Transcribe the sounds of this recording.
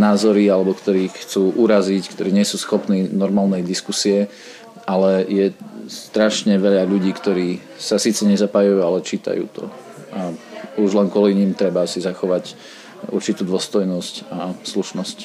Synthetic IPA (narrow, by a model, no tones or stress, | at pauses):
naːzɔɾialɛbɔkt̪ɔɾiːxt͡suːʔuɾazickt̪ɔɾiːɲɛsuːsxɔpniːnɔɾmaːlnɛjd̪iskusiɛ | ʔalɛjɛst̪ɾaʃɲɛʋɛʎaʎuɟiːkt̪ɔɾiː | sasiːt͡sɛɲɛzapaːjujuːalɛt͡ʃiːt̪a̰jṵːt̪ʰɔ̰ | auʒlɛnkʊɔliɲimt̪ɾɛbasizaxɔʋac | ṵɾt͡ʃit̪uːd̪ʋɔst̪ɔjnɔscasluʃnɔsc